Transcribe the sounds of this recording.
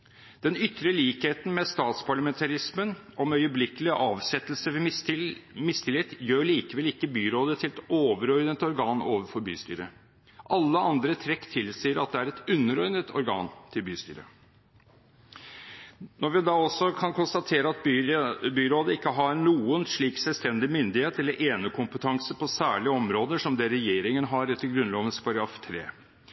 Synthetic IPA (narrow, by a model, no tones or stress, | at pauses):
d̪̥ɛnʏt̪ːɾəliːkheːt̪n̩mɛst̪ɑːt̪spʰɑɭɑmɛnt̪ʰɑɾɪsmən | ɔmœʏəblɪkːəlɪʔɑːʋsɛt̪ːəlsəʋɪ | mɪst̪ʰɪleːt̪jøːɭiːkəʋɛlɪkːəbyːɾoːd̪ət̪ʰɪlɛt̪oːʋəɾɔʏnət̪ɔɾɡɑːnoːʋəfɔɾby̰ːst̪y̰ːɾə | ʔɑlːəʔɑnd̪ɾət̪ʰɾɛkːt̪ʰɪlsiːəɾɑt̪̚d̪ɛæːɾɛt̪ʉnːəɾɔʏnət̪ʰɔ̰ɾɡɑ̰ːnt̪ʰɪlbyːst̪y̰ːɾə̰ | nɔɾʋɪd̪ɑːɔsːɔkʰɑnkʰʊnst̪ɑt̪ʰeːɾəɑt̪bbyːɾoːd̪əɪkːəɦɑnuːənʂɭiːksɛlst̪ɛnd̪ɪmʏnd̪ɪheːt̪ɛlːəɾʔeːnəkʊmpət̪ʰɑŋsəpʰɔsæːɭɪəɔmɾoːd̪əʂɔmd̪eɾɛjeːɾɪŋənɦɑɾɛt̪ːəlɡɾʉnloːʋənskɑɾɑft̪ʰɾḛː